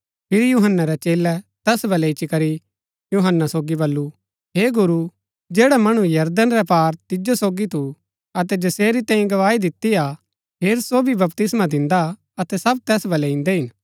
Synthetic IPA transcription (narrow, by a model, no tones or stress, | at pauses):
pʰɪɾjuɦənːaɾɛt͡ʃeːlɛt̪ɛːsbɐlɛɪt͡ʃikɐɾi | juɦənːasoːɡibɐlːu | ɦeːɡʊɾu | d͡ʒeːɽamɐɽ̃ũjɐɾd̪ənɾɛpaːɾt̪ɪd͡ʒosoːɡit̪u | ɐt̪ɛd͡ʒɐseːɾit̪ãːĩɡɐʋaːid̪ɪt̪ːia | pʰeːɾsoːbʱibɐpt̪ɪsmad̪ɪ̃nd̪a | ɐt̪ɛsɐb̚t̪ɛːsbɐlɛɪ̃nd̪ɛɦɪn